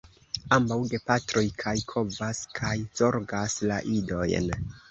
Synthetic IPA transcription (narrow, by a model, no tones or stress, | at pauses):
ambawɡe̞patɾo̞jkʰajkʰo̞vaskʰajz̥o̞ɾɡasla̰ʔido̞jn